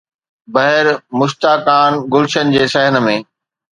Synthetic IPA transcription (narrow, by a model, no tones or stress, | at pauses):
bɐɦɪɾmʊʃt̪aːkaːnɡʊlʃənɪ̆d͡ʑeːsɐɦɪnmẽː